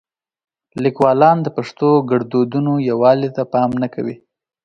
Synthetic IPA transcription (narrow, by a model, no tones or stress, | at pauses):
likwɑlɑnd̪əpaʂt̪oɡaɽd̪od̪unojawɑlit̪apɑmnaka̰wḭ